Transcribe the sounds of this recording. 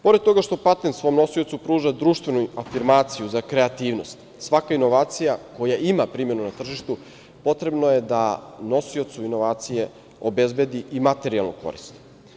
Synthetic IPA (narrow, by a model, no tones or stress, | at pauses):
po̞ɾed̪t̪o̞ɡaʃt̪o̞pat̪ensʋo̞jomno̞sio̞t̪supɾuːʒad̪ɾuːʃt̪vʋe̞nuafiɾmaːt̪sijuzakɾe̞at̪iːʋno̞st̪ | sʋakaino̞ʋaːt̪sijako̞jaimapɾiːmjenunat̪r̩ʒiʃt̪u | po̞t̪ɾe̞bnojed̪ano̞sio̞t̪suino̞ʋaːt̪sije̞ | obe̞zbe̞d̪iʔimat̪e̞ɾialˠnoko̰ɾḭst̪